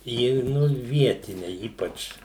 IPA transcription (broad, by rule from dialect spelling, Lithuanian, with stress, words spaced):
ˈjɪ ˈnʊ ˈʋʲiɛtʲɪnʲɛ ˈiːpɐt͡ʃ